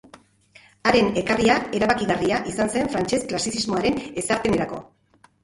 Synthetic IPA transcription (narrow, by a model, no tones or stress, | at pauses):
aɾe̞ne̞kariae̞ɾaβakiɣariaʔisanse̞ɱfɾant͡ʃe̞sklasisizmo̞aɾe̞ne̞saɾt̪ene̞ɾako̞̰